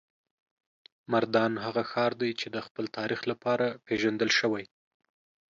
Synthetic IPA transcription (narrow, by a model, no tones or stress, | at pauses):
maɾd̪ɑnɦaɣaxɑɾd̪ajt͡ʃed̪əxpəlt̪ʰɑɾixlapɑɾapeʒand̪əlʃəwaj